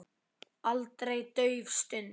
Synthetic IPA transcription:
alt̪ɾejt̪œɥvst̪ʏn

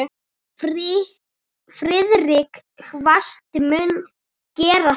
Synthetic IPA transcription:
fɾɪðrɪk | xvast̪ɪmʏn | cɛːɾa

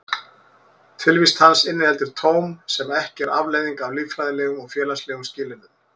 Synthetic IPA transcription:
t̪ʰɪlvist̪hansɪnːɪhɛlt̪ʏɾ̥t̪ʰoːwmsɛmɛhcɪɛɾa̰vlejðiŋkavliːvfɾajðɪlɛːɣʏmɔɣfjɛːlaslɛːɣʏmscɪːlɪnʏm

